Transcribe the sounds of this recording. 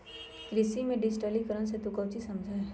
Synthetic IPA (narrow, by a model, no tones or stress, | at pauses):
kɾɪsimẽɖɪsʈəlikəɾəns̬et̪ʊkəʋt͡ʃisɐmd͡ʒʱaɛ